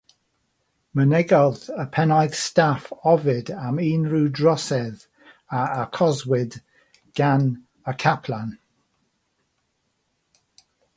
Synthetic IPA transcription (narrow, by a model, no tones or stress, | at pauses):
mənɛɡɔðəpʰɛnajɡstafɔvɪdamiːnɹuːdɹɔsɛð | aəkʰɔzwɪd | ɡ̥an | əkʰapʰlan